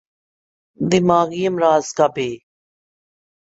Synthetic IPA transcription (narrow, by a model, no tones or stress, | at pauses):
d̪ɪmaːɣijəmɾaːzkabeː